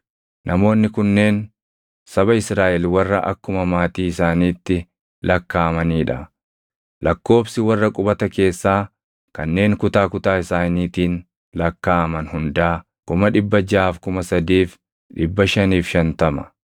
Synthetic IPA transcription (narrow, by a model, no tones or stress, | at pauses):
nʔɐmo̞ːnːɪkʊnːe̞ːn | sɐbɐɪsɾaːʔɛlwɐrːɐʔɐ̰kːʊmɐmaːt̪iːɪsaːniːt̪ːɪ | lʔɐkːaːmɐniːᶑɐ | lʔɐkːo̞ːfsɪwɐrːɐkʼʊbɐt̪ɐke̞ːsːaː | kɐnːe̞ːŋkʊt̪aːkʊt̪aːɪsaːniːt̪iːn | lɐkːaːɐmɐnhʊnd̪aː | kʊmɐᶑɪbːɐd͡ʒaːfkʊmɐsɐd̪iːf | ᶑɪbːɐʃɐniːfʃɐnt̪ɐmɐ̥